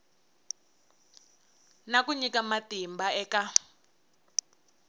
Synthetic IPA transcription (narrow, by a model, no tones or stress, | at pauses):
nak̬uɲikamatimbaɛːka